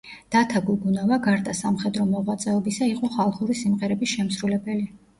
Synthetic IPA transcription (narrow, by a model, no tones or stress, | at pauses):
d̪̥at̪ʰaɡuɡunavaɡaɾd̪asamχɛd̪ɾɔmɔʁwat̪sʼɛɔbisaiqʼɔχalˠχuɾisimʁɛɾɛbisʃɛmsɾulɛbɛli